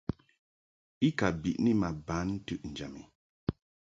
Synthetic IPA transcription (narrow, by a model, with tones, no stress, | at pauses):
i˦ka˨bi˨ʔni˦ma˨ba˨˦n̩ː˦tʉ˦ʔn̩˨d͡ʒa˨mi˨